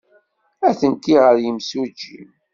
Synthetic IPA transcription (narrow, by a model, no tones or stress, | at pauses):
æθənkːiʁəɾjəmsud͡ʒːḭm